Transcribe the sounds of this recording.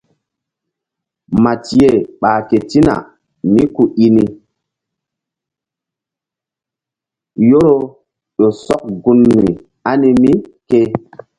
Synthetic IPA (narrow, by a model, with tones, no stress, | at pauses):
ma˨ti˨je˨ɓaː˨ke˨ti˦na̰˨ | mi˦ku˨ʔi˦ni˨ | jo˦ɾo˦ | ɗo˨sɔ˦k̚ɡu˦nːi˨ | a˦ni˦mi˦ke˦